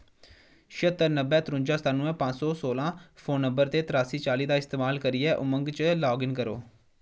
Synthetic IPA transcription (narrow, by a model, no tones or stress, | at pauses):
ʃət̪ːəɾnəbɛːt̪ɾʊ̃ɲd͡ʒaːst̪aːnũːɛ̃ːpãːd͡ʒsɔːsoːlãːpʰoːnːəmbəɾt̪eːt̪ɾaːsiːt͡ʃaːliːd̪aːɪst̪eːmaːlkəɾiːɛːʔʊməŋɡt͡ʃlɔːɡɪnkəɾo̰ː